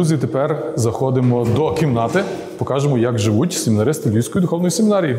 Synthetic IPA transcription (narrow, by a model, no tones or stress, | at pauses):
uzʲit̪epɛrzɐxɔd̪ɪmɔd̪ɔkʲiwnɑt̪ɪ | pɔkɑʒemɔjɐɡʒɪʋutʲsʲemʲinɐɾɪst̪elʲiwʲsʲkɔjid̪ʊxɔwnɔjisemʲɪnɑɾʲiji